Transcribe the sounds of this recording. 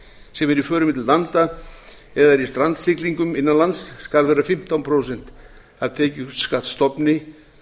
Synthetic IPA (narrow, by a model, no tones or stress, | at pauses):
sɛmɛɾifœːɾʏmɪt̪ʰɪllant̪a | ɛðaɾist̪ɾant̪sɪkliŋkʏmɪnːanlansːkalðvɛɾafɪm̥t̪awnpʰɾowsɛn̥t̪ | havt̪ʰeːcɪut̪skat̪st̪ɔpnɪ